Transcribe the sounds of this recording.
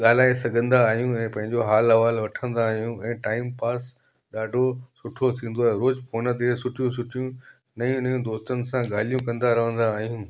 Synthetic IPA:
ɠaːlaːesɐɡʱə̃nd̪aːɦijũɛ̃ːpɐ̃ɦɪ̃ɲd͡ʑoɦaːlɦɐʋaːlʋɐʈʰə̃nd̪aːɦijũɛ̃ːʈaːɪmpaːs | ɗaːɖʱosʊʈʰot̪ʰĩːnd̪oaːɦeɾoːd͡ʑpʰoːnət̪̬esʊʈʰijũsʊʈʰijũ | nɐjũnɐjũd̪oːst̪ənɪ̆sãɠaːl̤ijũkɐ̃nd̪aɾɐʋ̤ə̃nd̪aːɦijũː

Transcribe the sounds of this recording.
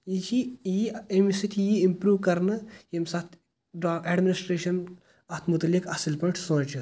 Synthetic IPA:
it͡ʃʰijiemisit̪ʰjiimpɾuːʋkɐɾnɨjemsɐt̪ʰ | ɖɛɖminisʈɾeːʃɐn | ɐt̪ʰmʊt̪ɐlikɐsilpɐ̃ɳʈʰsõːt͡ʃɨ

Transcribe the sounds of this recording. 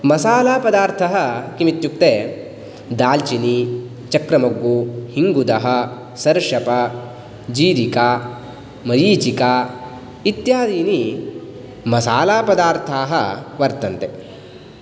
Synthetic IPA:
mɐsaːlaːpɐd̪aːɾt̪ʰɐɦɐkimit̪juk̚t̪eː | d̪aːlt͡ʃini | t͡ʃɐkɾɐmɐɡːuhiŋɡud̪ɐɦɐ̆ | sɐɾʂɐpɐ | d͡ʒiːɾikaː | mɐɾiːt͡ʃikaː | it̪jaːd̪iːni | mɐsaːlaːpɐd̪aːɾt̪ʰaːɦɐʋɐɾt̪ɐnt̪e

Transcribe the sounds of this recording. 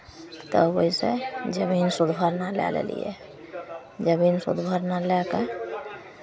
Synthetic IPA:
t̪əboisḛd͡ʒəbinsud̪bʱəɾnalɛ̰lḛlḭjɛ̰ | d͡ʒəbinsṵd̪bʱəɾnalɛke

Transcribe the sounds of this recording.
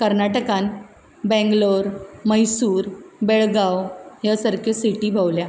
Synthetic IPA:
kəɾnaʈəkãn | bɛ̃ŋɡloɾməjsuːɾbeɭɡawjasəɾkʰjesiʈiːbʱawlja

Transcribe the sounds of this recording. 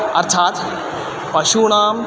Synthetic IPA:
ɐ̰ɾt̪ʰaːt̪ | pɐʃuɳaːm

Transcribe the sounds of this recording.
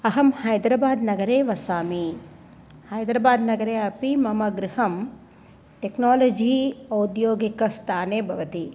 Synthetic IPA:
ɐɦɐmhɐjd̪ɾɐbaːd̪nɐɡɐɾeːʋɐsaːmi | hɐjd̪ɾɐbaːd̪nɐɡɐɾeːɐpimɐmɐɡɾɪhɐm | ʈeknoːlod͡ʒiːɐwd̪joːɡikɐst̪ʰaːneːbʱɐʋɐt̪i

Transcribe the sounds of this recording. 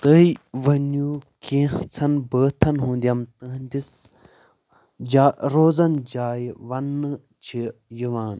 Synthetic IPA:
t̪əiʋɐnjuːkẽːt͡sʰɐnbəːt̪ʰɐnɦũːnd̪ijɐmt̪ə̃ɦnd̪is | d͡ʒaːɾoːzɐnd͡ʒaːjʋɐnːɨ | t͡ʃʰijiʋaːn

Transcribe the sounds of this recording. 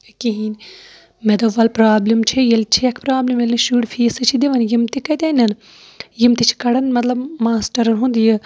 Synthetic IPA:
kiɦin | med̪ɐʋɐlpɾaːblimt͡ʃʰejɐlt͡ʃʰiɐkʰpɾaːblimjɐlʲɐʃuːɽfʰeːsɨt͡ʃʰid̪eʋɐnjimt̪ikɐt̪enʲɐn | jimt̪it͡ʃʰi̥kɐɽɐnmɐt̪lɐbmaːsʈɐɾɐnɦũnd̪ijɐ

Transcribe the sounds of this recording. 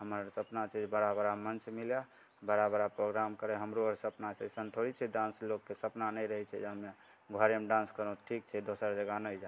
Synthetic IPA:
ɦəməɾsəpnat͡ʃʰid͡ʒbəɾabɾamənt͡ʃmilja | bəɾabəɾapɾoɡɾamkəɾɛɦəmɾoəɾsəpnasəsənt̪ʰoɽit͡ʃʰɛɖãnslokːesəpnanəɾəɦɛt͡ʃʰɛd͡ʒeɦəme | ɡʱəɾemɖãnskəɾə̃ʈʰik̚t͡ʃʰɛd̪osəɾd͡ʒəɡanəjd͡ʒa

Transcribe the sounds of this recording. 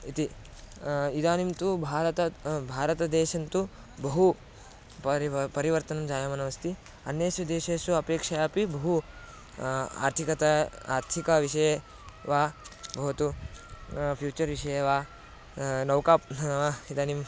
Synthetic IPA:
it̪i | id̪aːnimt̪ubʱaːɾɐt̪ɐbʱaːɾɐt̪ɐd̪eːʃɐnt̪u | bɐɦu | ppɐɾiʋɐɾt̪ɐnɐmd͡ʒaːjɐmɐnɐʋɐst̪i | ɐnjeːsjud̪eːʃeːsuɐpeːkʂɐjaːpibɐɦu | a̰ːɾt̪ʰikɐt̪ɐa̰ːɾt̪ʰikɐʋiʂɐjɐ | ʋaːbɐɦt̪u | pʰjuːt͡ʃɐɾʋiʂɐjɐʋaː | nɐwkaːpʋaːid̪aːnim

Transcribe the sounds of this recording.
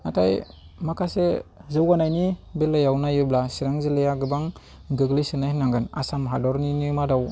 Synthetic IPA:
atʰaj | makʰasezɯwanajnibelːajawnajɯblasiɾaŋzilejaɡɯbaŋ | ɡɯɡlijsɯnajhnaŋɡɯna̰samɦadɔɾninimadaw

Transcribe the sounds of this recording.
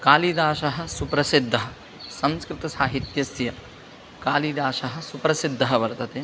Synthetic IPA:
kaːlid̪aːʃɐɦɐ̆supɾɐsid̪ʱːɐɦɐ | sɐmskɾɪt̪ɐsaːɦit̪jɐsjɐ | kaːliːd̪aːʃɐɦɐ̆supɾɐsid̪ʱːɐɦɐʋɐɾt̪ɐt̪eː

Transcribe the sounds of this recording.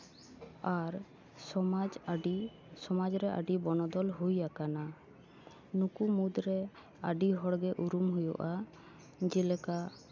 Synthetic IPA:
aɾ | ɔad͡ʒ | sɔmad͡ʒɾɛʔa̰ɖibɔnɔd̪ɔlɦujakana | nukumud̪ɾɛ | a̰ɖiɦɔɽɡɛʔuɾumɦujɔ̰ʔa | d͡ʒɛlɛka

